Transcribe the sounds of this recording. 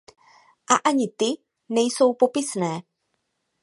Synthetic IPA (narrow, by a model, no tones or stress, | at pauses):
ʔaʔaɲɪt̪ɪ | nɛjso̞wpo̞pɪsnɛː